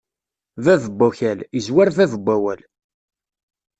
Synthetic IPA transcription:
ðæðəbːuçælizwaɾðæðəbʷːæwæl

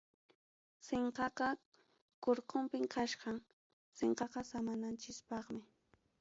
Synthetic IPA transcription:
seɴqɑqɑ | koɾqompɪŋkʰaʃɢɑŋ | seɴqɑqɑsamanant͡ʃɪspɑχmɪ

